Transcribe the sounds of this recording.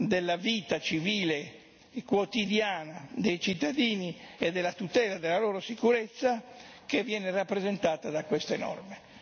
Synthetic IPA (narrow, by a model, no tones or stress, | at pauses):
d̪elːaviːt̪at͡ʃiviːle | kwot̪id̪jaːnad̪ejt͡ʃit̪ːad̪iːnied̪ːelːat̪ut̪ɛːlad̪elːaloːɾosikuɾet̪sːa | kevːjɛːnerapːɾezent̪aːt̪ad̪akwest̪enɔ̰rme